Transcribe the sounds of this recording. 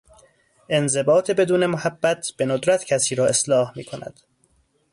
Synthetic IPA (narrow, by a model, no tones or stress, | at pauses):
ʔe̞nze̞bɒːt̪ʰe̞be̞d̪uːne̞mohæbːæt̪ʰb̥e̞nod̪ɾæt̪ʰcʰæsiːɾɒːe̞slɒːhmḭːkʰo̞næ̰d̪̥